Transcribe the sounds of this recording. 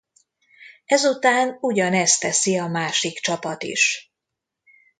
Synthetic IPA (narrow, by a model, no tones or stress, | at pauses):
ɛzut̪aːnuɟɒnɛst̪ɛsiɒmaːʃikt͡ʃɒpɒt̪ḭʃ